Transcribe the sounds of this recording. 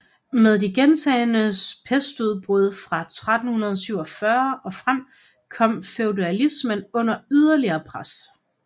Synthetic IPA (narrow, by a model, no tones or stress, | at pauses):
með̞ˠdiɡ̥ent͡sʰɛːnəspʰesd̥uð̞ˠb̥ʁuð̞̰ˠfʁɑ̈t͡sʰʁad̥n̩hunɐð̞ˠsyʊ̰ɒ̽fɶɐɒ̽fʁam̰ | kʰɒ̽m̰feʊduælismənɔ̽n̰ɐyðˠɐliɐːpʰʁas